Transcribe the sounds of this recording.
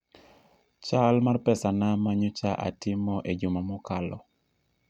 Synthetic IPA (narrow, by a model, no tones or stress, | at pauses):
t͡ʃalmarpɛsanamaɲʊt͡ʃaʔa̰tɪmɔʔed͡ʒʊmamɔkalɔ̰